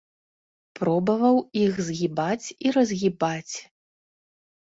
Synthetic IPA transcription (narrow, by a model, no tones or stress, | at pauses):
pɾɔbɐvɐwixzɣʲibat͡sʲiɾɐzʲɣʲibat͡sʲ